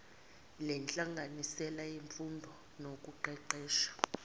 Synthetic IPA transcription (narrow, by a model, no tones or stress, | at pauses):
lɛnt͡ɬʼaŋɡʱanisɛlaiɱfundʱɔ | nokʼuǃɛǃɛːʃḁ